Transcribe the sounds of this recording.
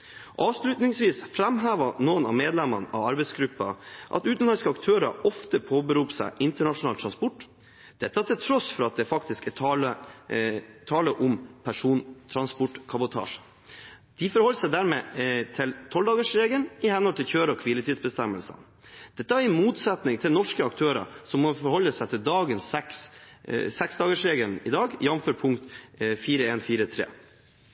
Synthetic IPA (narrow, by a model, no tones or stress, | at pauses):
ʔɑːʋʂɭʉːt̪nɪŋsʋiːsfɾɛmɦæːʋɑnoənɑ̰meːd̪lɛmːɑnʔɑ̰ʋɑɾbɛɪsɡɾʉpːɑʔɑ̰t̪ʉːt̪nlɑskəɑkt̪ʰøːɾɑ̰ɔft̪əpʰoːbəɾuːpsæ̰ɪʔɪnt̪əɳɑʂʊnɑːlt̪ʰɾɑnspɔʈː | d̪̥ɛt̪ːɑæt̪ʰɪlt̪ʰɾɔsfɔɾɑt̪̚d̪ɛfɑk̚t̪ɪskɛlə | t̪ʰɑːləʔʊmpʰæʂuːnt̪ʰɾɑnspɔʈkʰɑbʊt̪ʰɑ̰ːʂə | d̪̥ɪfɔɾhɔləsæɪd̪æːɾmeːt̪ʰɪlt̪ʰɔld̪ɑːɡəʂɾeːɡəlnɪhɛnɔlt̪ʰɪlçøːɾɔkʰʋilət̪ʰiːsbəst̪ɛmːəlsə̰n | d̪̥ɛt̪ːəæɾɪmuːt̪sɛt̪nɪŋt̪ʰɪlnɔʂkəɑk̚t̪ʰøːɾɑ̰sɔmːɔfɔɾhɔlːəsæɪt̪ʰɪld̪ɑːɡənsɛks | sɛksd̪ɑːɡəʂɾeːɡəlnɪ̰d̪ɑːɡjɑmføːɾpʰʊŋkt̪fiːɾəeːnfiːɾət̪ʰɾḛː